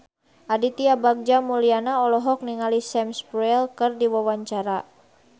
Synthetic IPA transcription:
ʔadit̪iabaɡ̚d͡ʒamulianaɔlɔɦɔk̚niŋalisɛmspɾuɛlkɨrdiwawaɲt͡ʃaɾa

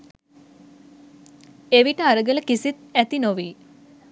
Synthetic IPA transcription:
eʋiʈəaɾəɡələkisit̪̚æt̪inoʋiː

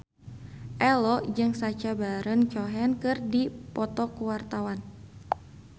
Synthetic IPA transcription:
ʔɛlɔd͡ʒɨŋsat͡ʃabaɾənt͡ʃɔɦɛnkɨrdipɔt̪ɔkuwart̪awan

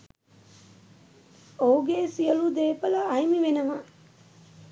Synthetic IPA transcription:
ouɡeːsijɐlud̪eːpɐlɐɐjmiʋenɐʋa

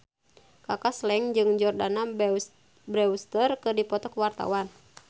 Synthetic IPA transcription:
kakaslɛŋd͡ʒɨŋd͡ʒɔrdana | bɾɛust̪ərkɨdipɔt̪ɔkwart̪a̰wan

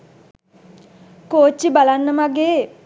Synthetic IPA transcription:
koːt͡ʃːibalanːəmaɡeː

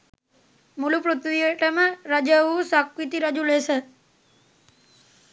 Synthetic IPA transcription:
mulupɾut̪ʋiəʈəmãɾəd͡ʒəusakwit̪iɾəd͡ʒulese

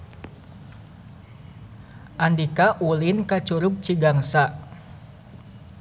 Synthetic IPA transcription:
ʔandikaʔulinkat͡ʃuɾub̚t͡ʃiɡaŋsaʔ

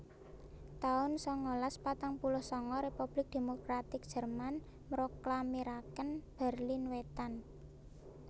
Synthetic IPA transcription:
t̪aʊnsɔŋolaspat̪aŋpulʊhsɔŋɔɾepub̥lɪk̚d̪̥e̤mokɾat̪ɪk̚d̥ʒ̥ə̤rman | mɾoklamiɾakənb̥ə̤rlinwet̪an

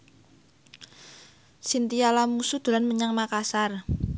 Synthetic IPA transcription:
sint̪ialamusud̪̥ṳlanməɲaŋmakasar

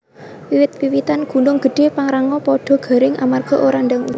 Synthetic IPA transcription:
wiwɪt̪̚wiwit̪anɡ̥ṳnʊŋɡ̥ə̤ɖ̥e̤paŋɾaŋɔpɔɖ̥ɔ̤ɡ̥a̤ɾɪŋʔa̰marɡ̥ɔ̤ʔoɾaɳdaŋu

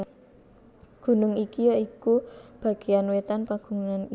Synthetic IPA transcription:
ɡ̥ṳnʊŋikijɔikub̥a̤ɡ̥e̤anwet̪anpaɡ̥ṳŋunani

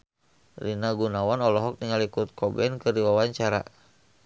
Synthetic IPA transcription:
rinaɡunawanɔlɔɦɔk̚niŋalikut̪̚kʰɔbɛnkɨrdiwawaɲt͡ʃaɾa̰

